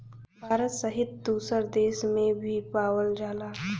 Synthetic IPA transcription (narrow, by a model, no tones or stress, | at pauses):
bʱaːɾət̪səɦɪt̪̚d̪uːsəɾd̪eːsmẽbʱipaːwəld͡ʒaːlaː